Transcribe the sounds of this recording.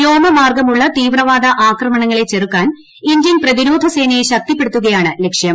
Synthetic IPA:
joːmɐmaːrɡɐmuɭːɐt̪iːʋrɐʋaːd̪ʱɐʔaːkrɐmɐɳɐŋːɐɭe̞t͡ɕːerukːaːn | iɲd͡ʑinprɐðiɾo̞ːd̪ʱɐse̞ːnɐjeɕɐk̚t̪ipːe̞ɽut̪ːuɣɐjaːɳɨle̞kʂjɐm

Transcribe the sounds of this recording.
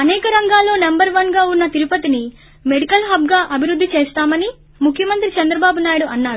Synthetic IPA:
ɐnɛːkɐɾɐŋɡaːlːo̞ːnɐmbɐɾʋɐnɡaːunːɐt̪iɾupɐt̪ini | me̞ɽikɐlɦɐbɡaːʔɐbʱiɾud̪ːit͡ʃeːst̪aːmɐni | mukʰjɐmɐnt̪ɾit͡ʃɐnd̪ɾɐbaːbunaːjiɽuʔɐnːaːɾu

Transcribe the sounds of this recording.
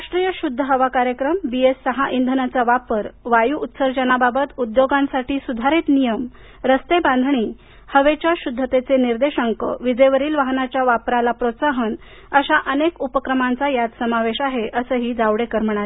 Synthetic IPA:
ɾaʂʈɾijəɕud̪ʱːəɦəʋakaɾjəkɾəmbiesːəɦaʔind̪ʱənat͡saʋapəɾʋajuːt̪səɾd͡ʑənababət̪ud̪joɡãnsaʈiːsud̪ʱaɾit̪nijəm | ɾəst̪ebãnd̪ʱɳ̃iː | həʋet͡ɕjaɕud̪ʱːət̪et͡seniɾd̪eɕəŋkə̰ʋid͡zəjʋəɾiːlʋaɦnat͡ɕjaʋapɾalapɾot̪saɦən | əɕaʔənekupəkɾəmant͡sajad̪səmaʋeɕaɦeʔəsəːɦiːd͡zaʋɽekəɾməɳ̃ae

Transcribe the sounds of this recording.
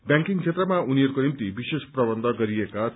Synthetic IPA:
bjãŋkiŋkt͡sʰet̪rʌmauniʌɾkonimt̪ibisesprʌbʌnd̪ʱʌɡʌɾieka

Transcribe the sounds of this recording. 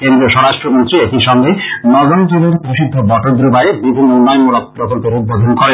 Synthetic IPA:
kend̪ɾioʃɔɾaʃʈɾomont̪ɾiet̪iʃɔŋɡenɔɡont̪ulonpɾoʃid̪ʱːobɔʈoɾd̪ɾubaebibʱumunːɔjmuɾɔk̚pɾokolpoɾud̪̚bod̪ʱonkoɾe

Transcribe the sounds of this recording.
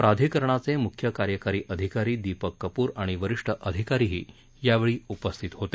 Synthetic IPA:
pɾad̪ʱikəɾɳ̃at͡semukʰjəkaɾjəkaɾiːʔəd̪ʱikaɾiːd̪ipəkːəpuːɾaɽ̃iʋəɾiʂʈʰəʔəd̪ʱikaɾiɦḭː | jaʋeɭiːupəst̪ʰit̪ɦot̪e

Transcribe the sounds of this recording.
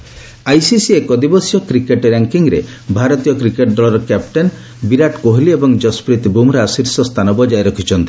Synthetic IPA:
ajsisiekɔd̪ibɔsjɔkɾikeʈɾaŋkiŋɾe | bʱaɾɔt̪ijɔkɾikeʈɖɔlɔɾɔkapʈen | biɾaʈkoɦliebɔŋd͡ʒɔspɾit̪bumɾɔasiɾsɔst̪ʰanɔbɔd͡ʒaeɾɔkʰit͡ʃʰɔnt̪i̥

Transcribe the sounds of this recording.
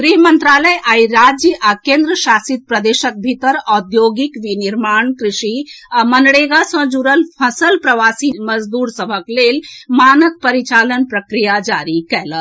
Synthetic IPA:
ɡɾiɦmənt̪ɾaləjʔaiɾad͡ʒjəʔakẽnd̪ɾəʃasit̪̚pɾəd̪eʃək̚bʱit̪əɾɔd̪joɡikʋiniɾmaɳkɾiʃiamənɽeɡasə̃d͡ʒuɾəlpʰəsəlpɾəʋasiməd͡ʒd̪uɾsəbʱəklelmanək̚pəɾit͡ʃalənpɾəkɾijad͡ʒaɾikɛlə

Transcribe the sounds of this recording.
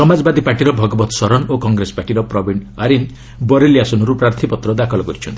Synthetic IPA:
sɔmad͡ʒɔbad̪ipaʈiɾɔbʱɔɡɔbɔt̪sɔɾɔnokɔŋɡɾesɔ̥paʈiɾɔpɾɔbʱiɳaɾin | bɔɾeliasɔnɔɾupɾaɾt̪ʰipɔt̪ɾɔd̪akʰɔlɔkɔɾit͡ʃʰɔnt̪i

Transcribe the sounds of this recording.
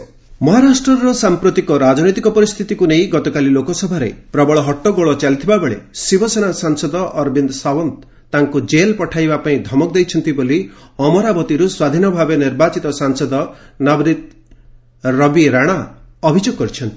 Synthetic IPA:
mɔɦaɾasʈɾɔɾɔsampɾut̪ikɔɾad͡ʒnojt̪ikɔpɔɾist̪ʰit̪ikuneĩɡɔt̪ɔkalilokɔsɔbʱaɾḛpɾɔbɔɭɔɦɔʈːɔɡoɭɔt͡ʃalit̪ʰibabeɭḛsibʱɔsenasaŋsɔd̪ɔʔɔɾbind̪sawɔnt̪ | t̪aŋkud͡ʒelpɔʈʰajbapaĩd̪ʱɔmɔk̚d̪ejt͡ʃʰɔnt̪iboliɔmɔɾabɔt̪iɾuswad̪ʱinɔbʱabeniɾbat͡ʃit̪ɔsaŋsɔd̪ɔnabɾit̪̚ | ɾɔbiɾaɽ̃aɔbʱid͡ʒoɡɔkɔɾit͡ʃʰɔnt̪i̥

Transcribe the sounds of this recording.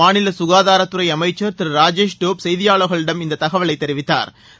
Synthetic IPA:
aːnɪlɐsʊɣaːðaːɾɐt̪ːɯɾɐɪɐmɐɪt͡ʃːɐɾt̪ɪɾɾaːd͡ʒeːʃʈoːpsɛjðɪjaːɭɐɣɐɭɪɽɐmɪnd̪ɐt̪ɐɣɐʋɐɭɐɪt̪ːɛɾɪʋɪt̪ːa̰ːɾ

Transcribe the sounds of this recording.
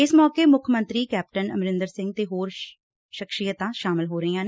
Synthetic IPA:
ɪsmɔːkeːmʊkʰmə̃nt̪ɾiːkɛːp̚ʈənə̰mɾɪ̃nd̪əɾsɪ̃ŋɡ̚t̪eːɦoːɾ | ʃɪkʃijət̪ãːʃaːmɪlɦoːɾəiːãːne

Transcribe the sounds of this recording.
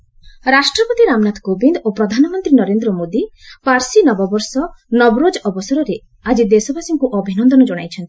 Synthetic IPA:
ɾasʈɾɔpɔt̪iɾamnat̪kobind̪opɾɔd̪ʱanɔmɔnt̪ɾinɔɾend̪ɾɔmod̪ipaɾsinɔbɔbɔɾsɔnɔbɔɾod͡ʒɔɔbɔsɔɾɔɾe | ad͡ʒid̪esɔbasɔŋkuʔɔbʱinɔnd̪ɔnɔd͡ʒɔɽ̃ajt͡ʃʰɔnt̪i̥

